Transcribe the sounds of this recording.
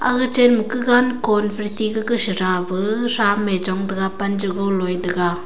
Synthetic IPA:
a̰ɡɯt͡ʃenmɯkɯɡankɔnpʰɾitiɡɯɡɯsɯɾabɯɾamed͡ʒɔŋdɯɡapand͡ʒɯɡolojdɯɡa

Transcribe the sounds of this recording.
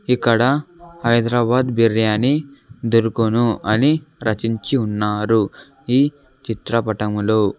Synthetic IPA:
ikːɐɽɐhɐjd̪ɾaːbaːd̪biɾjaːnid̪oɾukunuɐniɾɐt͡ʃiɲt͡ʃiunːaːɾu | iː | t͡ʃit̪ɾɐpɐʈɐmlo̞ː

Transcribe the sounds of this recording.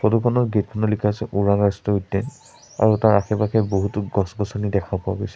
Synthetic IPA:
pʰɔdukʰɔnɔɹɡitkʰɔnɔlikʰasɛʔuɹaŋastɔutːɛn | a̰ɹutaɹaxʰɛpakʰɛboɦutuɡɔsɡɔsɔnidɛkʰapua̰ɡojsɛ̥

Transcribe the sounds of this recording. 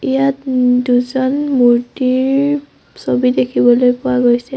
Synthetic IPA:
ijatduzɔnmuɹtiɹ | sobidekʰibɔlojpʊaɡojsɛ

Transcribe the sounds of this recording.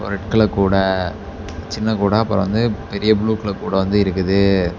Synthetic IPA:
pɔ̰ɾɐʈkɐɭɐkːuːɽɐ | t͡ʃɪnːɐkuːɽɐːɐpːɐɾʋɐnd̪ɯpɛɾɪjɐbɭuːkːɐɭɐkːuːɽɐʋɐnd̪ɯɪɾɯkːɯðɯ

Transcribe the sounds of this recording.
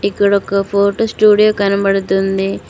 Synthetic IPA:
ikːɐɽɔkɐpʰoːɾʈosʈuːɽijoːkɐnɐbɐɽut̪und̪i

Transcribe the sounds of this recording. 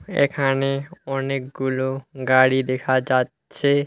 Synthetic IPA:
ḛkʰaneɔnek̚ɡuloɡaɽid̪ekʰad͡ʒatː | ʃʰe

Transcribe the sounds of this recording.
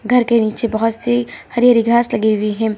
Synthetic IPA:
ɡʱɐɾkeniːt͡ʃebɐɦʊt̪sehɐɾjaːɾiɡʱaːslɐɡeʊiɦɛ̃ː

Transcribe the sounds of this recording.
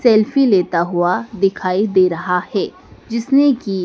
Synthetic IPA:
sɛːlfileːt̪aɦʊad̪ɪkʰaːid̪eːɾɐɦahɛː | d͡ʒɪsneki

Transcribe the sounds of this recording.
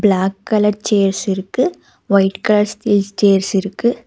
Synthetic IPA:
blaːkːɐlɐɾt͡ʃeːɾsɪɾɯkːɯ | ʋɐɪʈkɐlɐɾst̪iːlst͡ʃeːɾsɪɾɯkːɯ

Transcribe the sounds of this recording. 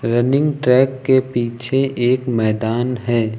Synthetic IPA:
ɾɐnɪ̃ŋɡʈɾɛːkːepiːt͡ʃʰeʔeːkmɛːd̪aːnɦɛː

